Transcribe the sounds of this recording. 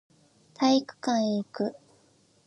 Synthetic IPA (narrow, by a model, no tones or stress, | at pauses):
t̪ʰaikɯ̟̥kãɰ̃ikɯ̟